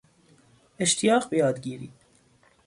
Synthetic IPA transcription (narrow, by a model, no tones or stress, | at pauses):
eʃt̪ʰijɑːqbejɒːd̪ɡiːɾiː